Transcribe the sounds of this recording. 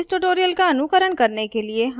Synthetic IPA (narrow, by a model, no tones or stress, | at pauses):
sʈuʈoːɾijəlkaɐnukəɾəɳ̃kɐɾnekelieɦ